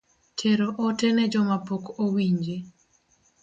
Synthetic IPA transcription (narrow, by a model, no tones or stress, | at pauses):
tʰeɾoʔotɛnɛd͡ʒɔmapokowiɲd͡ʒe